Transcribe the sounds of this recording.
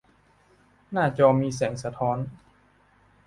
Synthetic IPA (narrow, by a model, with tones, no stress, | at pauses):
naː˥˩t͡ɕɔː˧miː˧sɛː˩˦ŋsa˧t̪ʰɔː˦˥n